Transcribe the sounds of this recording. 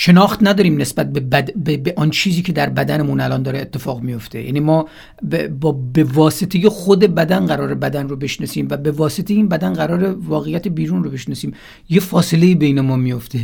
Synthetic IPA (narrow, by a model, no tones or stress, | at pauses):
ʃe̞nɒːxt̪næd̪ɒːɾiːmne̞sbæt̪̚bebæd̪bebeʔɒnt͡ʃʰiːziːcʰe̞d̪æɾbæd̪ænemunælɒnd̪ɒːɾeːt̪ʰːe̞fɒːɣmijo̞ft̪ʰe̞̰jæ̰ːnimɒː | bɒːbevɒːse̞t̪ʰe̞jexod̪e̞bæd̪ænɢæɾɒːɾebæd̪ænrobeʃnɒsiːmvæbe̞vɒːse̞t̪ʰejeiːnbæd̪ænɢæɾɒːɾevɒːɣejæt̪ʰebiːɾunrobe̞ʃnɒsiːm | jefɒːse̞le̞iːbeiːnemɒːmijo̞ft̪ʰe̞